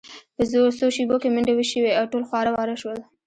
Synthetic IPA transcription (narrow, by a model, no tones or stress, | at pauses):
p̪əzoɾsoʃiɡokemɪɳɖawiʃəweawʈolxwɑɾawɑɾaʃwəl